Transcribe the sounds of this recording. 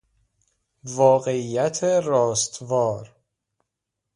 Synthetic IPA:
vɒːɣe̞ijæt̪ʰeɾɒːst̪vɒːɾ

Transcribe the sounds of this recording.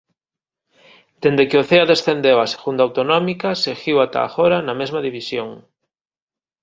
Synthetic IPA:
d̪̥end̪ekeoθeɐðesθend̪ewɐse̥ɣund̪awt̪onɔmikɐsexiwat̪a̰ːxoɾanɐmezmɐðiβisjoŋ

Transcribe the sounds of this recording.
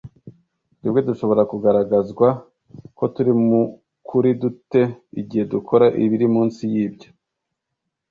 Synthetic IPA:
nibɡe̞duʃo̞βo̞ɾakuɡaɾaɡazɡwa | ko̞tuɾimu | kʰuɾidute̞iɟihe̞dukʰo̞ɾaʔiβiɾimuːnsijiːbɟo̥

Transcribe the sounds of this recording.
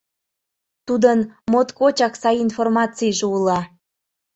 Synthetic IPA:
t̪ud̪ənmot̪kot͡ɕɑksɑjinformɑt͡sijʒeulɑ

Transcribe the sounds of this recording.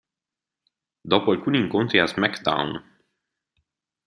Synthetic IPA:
d̪ɔpɔlʲkunʲiŋkõnt̪ɾiasmɛkd̪ã̰wn

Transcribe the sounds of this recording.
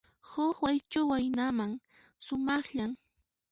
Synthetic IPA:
hʊxwajt͡ʃʊwajnamaŋ | sʊmɑχʎaŋ

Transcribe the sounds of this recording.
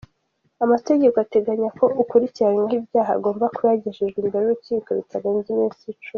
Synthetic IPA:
amate̞ɟe̞koate̞ɡaɲakʰo̞ukuɾiciɾanwahibjaːɦa̰ːɡo̞ːmbakuɾaɟeʒeʒɡiːmbeɾouɾuciːko̞βitʰaɾeɲzimiːnsiit͡ʃum

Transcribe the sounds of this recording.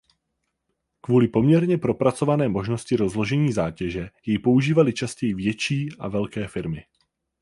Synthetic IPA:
kvuːlɪpo̞mɲɛɾɲɛpɾo̞pɾat͡so̞vanɛːmo̞ʒno̞scɪɾo̞zlo̞ʒɛɲiːzaːcɛʒɛjɛjpo̞uʒiːvalɪt͡ʃascɛjɪvjɛt͡ʃiːʔavɛlkɛːfɪɾmɪ

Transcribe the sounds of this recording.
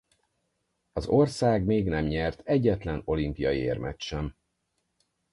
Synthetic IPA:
ɒzo̞rsaːɡmeːɡnɛmɲɛrt̪ɛɟːɛt̪lɛno̞limpijɒjiḛːrmɛt͡ʃʃɛm

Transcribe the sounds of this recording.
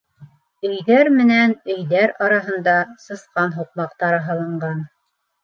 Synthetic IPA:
ɵ̆jðæɾmɘ̆nænɵ̆jðæɾɑɾɑɦɤ̆nd̪ɑsɤ̆θqɑnɦuq̚mɑqt̪ɑɾɤɦɑlˠɤ̆ɴɢɑn

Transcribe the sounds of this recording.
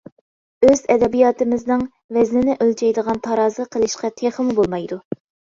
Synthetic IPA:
øzɛd̪ɛbijɑːt̪ɨmɪznɨŋ | vɛznɪnɪʔølt͡ʃʰɛjd̪əʁɑnt̪ʰɑɾɑːzɨqʰəlˠɨʃqɑt̪ʰeχəmubolˠmɑjd̪u

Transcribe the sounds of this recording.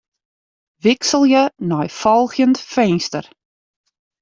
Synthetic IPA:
ʋɪksəlˠjənɔjfɔlˠχjəntfɛjnstər

